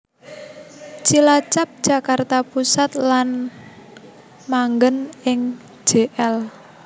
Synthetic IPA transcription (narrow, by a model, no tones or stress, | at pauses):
t͡ʃilat͡ʃap̚d̥ʒ̥a̤kart̪apusat̪lan | maŋɡənɪŋ̥ | ʒ̥eʔɛl